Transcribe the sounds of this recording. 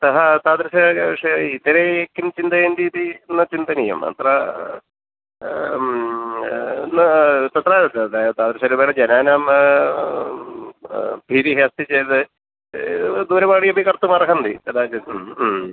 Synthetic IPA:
t̪ɐɦɐt̪aːd̪ɾɐɕɐɐʂeit̪ːɐɾekːimt͡ɕind̪ɐjendiːt̪inːɐt͡ɕind̪ɐnijɐ̰mɐ̰t̪rɐ | nːɐt̪ɐt̪rɐt̪aːd̪ɾɐɕɐɾubeːɽɐd͡ʑenaːnaːm | bʱiːðiɦjaːst̪it͡ɕeːðɨ | d̪uːɾɐbaːɽijɐbikɐrt̪ːumɐrɐkɐnd̪iɐd̪aːt͡ɕː

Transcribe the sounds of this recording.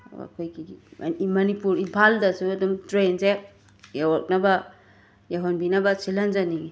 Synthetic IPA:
a̰kʰojɡḭmɐnipuɾinpʰaldasuadɔmtɾenze | jawak̚naba | jaɦɔnbinabasilanzani

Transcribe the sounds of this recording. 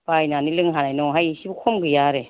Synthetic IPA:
pajnanilɯŋɦanajnɔɦajsibukʰɔmɡɯjaɾe

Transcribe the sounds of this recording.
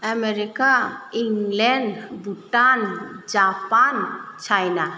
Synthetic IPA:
əmeɾikaiŋlɛɳɖbuʈand͡ʒapant͡ʃʰajna

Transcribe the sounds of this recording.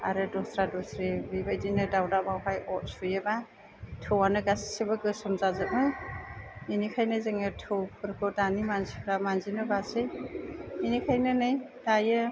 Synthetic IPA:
aɾɯdɔsɾadɔsɾibibajdinɯdawdabawpʰajʔɔt̚sujɯba | tʰɯwanɯɡasi̥sibɯɡɯsɔmzazɯʔ̚mɯ | inikʰajnɯzɯŋɯtʰɯwpʰɯɾkɔdanimanzipʰɾamanzinɯbasɯj | inikʰajnɯnɯjdajɯ

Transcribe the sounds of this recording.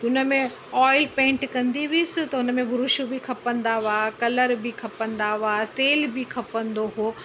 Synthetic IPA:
ʊnəmẽ | ɔːɪlpẽːɳʈkɐ̃nd̪iʋisɪt̪ɐʊnəmẽbʊɾʊʃubʱikʰɐpə̃nd̪aʋakɐləɾbʱikʰɐpə̃nd̪aʋat̪eːlbʱikʰɐpə̃nd̪oɦoː

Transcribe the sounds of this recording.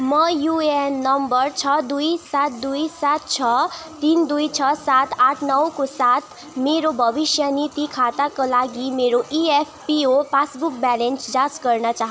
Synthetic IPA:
mʌjuenːʌmbʌrt͡sʰʌd̪ujsat̪ʰd̪ujsat̪̚t͡sʰʌt̪ind̪ujt͡sʰʌsat̪aʈʰnʌwkosat̪ʰ | meɾobʱʌbisjʌnit̪ikʰat̪akolaɡimeɾoʔiepʰpiopʰasbuk̚balensd͡zaskʌrnʌt͡saɦ

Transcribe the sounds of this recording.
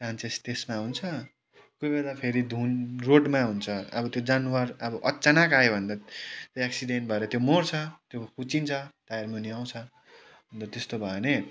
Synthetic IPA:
pant͡sest̪esmaɦunt͡sʰʌ | kojbelapʰeɾid̪ʱunroɖmaɦunt͡sʰʌʌ̰bʌt̪jod͡zanwarʌbʌʔʌtːsanakajobʱʌnd̪at̪oaksiɖenʈbʱʌeɾʌt̪jomort͡sʰʌt̪jokut͡sint͡sʰʌʈajarmoniaw̃t͡sʰʌ | bʱund̪ʌt̪est̪obʱʌene

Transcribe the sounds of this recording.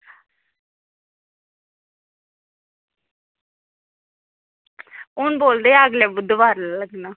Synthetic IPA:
ʊnboːld̪eːɛəɡleːbʊd̪ːʋaːɾləɡnaː

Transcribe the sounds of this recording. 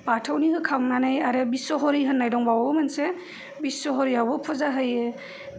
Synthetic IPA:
patʰawniɦɯkʰawnanajaɾɯbisɔɦɔɾiɦɯnːajdɔŋbawɯmanse | bisɔɦɔɾiawbɯpʰɔzaɦɯjɯ

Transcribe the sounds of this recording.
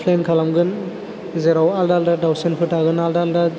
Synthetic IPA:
pʰlenkʰalamɡɯn | zeɾawaldaldadawsenpʰɯtʰaɡɯnaldalda

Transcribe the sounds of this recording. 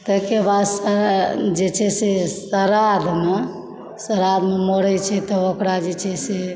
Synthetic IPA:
t̪əɦkebad̪s | d͡ʒet͡ʃʰɛsesəɾad̪me | səɾad̪memɔɽɛt͡ʃʰɛt̪ɔokɽad͡ʒet͡ʃʰɛse

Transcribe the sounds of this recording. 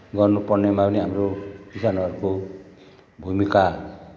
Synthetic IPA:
ɡʌrnupʌrnemapʌniɦamrokisanʌɾuko | bʱumika

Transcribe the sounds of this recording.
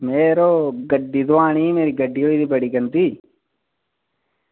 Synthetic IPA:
meːɾoːɡɐɖːid̪ʋaːɳiːmeːɾiɡɐɖːijoːid̪ibɐɽikɐnt̪iː

